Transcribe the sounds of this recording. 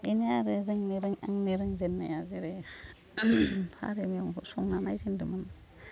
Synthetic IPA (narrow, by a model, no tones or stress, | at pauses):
ineaɾezɯŋneɾɯŋa̰ŋneɾɯŋzenːajazeɾe | ha̰ɾemiaŋsɔŋnanajzendɯman